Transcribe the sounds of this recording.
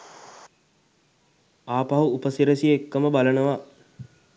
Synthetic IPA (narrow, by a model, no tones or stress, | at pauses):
aːpaɦuupəsiɾəsijəekːəməbalənəʋa